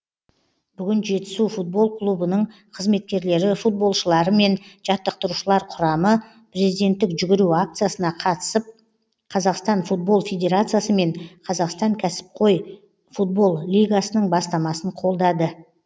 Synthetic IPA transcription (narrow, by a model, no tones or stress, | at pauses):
b̥ʏɡʲɪnʒe̞t̪ɪ̥sufut̪̚bo̞lˠkʰlˠubənəɴ | qʰəzme̞t̪̚kʲe̞ɾle̞ɾɪfut̪̚bo̞lˠʃəlˠɑɾəme̞nʒ̥ɑt̪ːəq̚t̪əɾuʃəlˠɑɾqʰʊɾɑmə | pʰɾe̞zijd̪e̞nt̪ːɪkʒʏɡʲɪɾuak̚t̪sɨjasənɑqʰɑt̪ə̥səp̚ | qʰɑzɑqst̪ɑnfut̪̚bo̞lˠfʲe̞d̪ʲe̞ɾat̪sɨjasəme̞ɴqʰɑzɑqst̪ɑŋkʲʰæsɪ̥p̚qʰo̞j | fut̪̚bo̞lˠlijɡasənəɴbɑst̪ɑmɑsəɴqʰo̞lˠd̪ɑd̪ə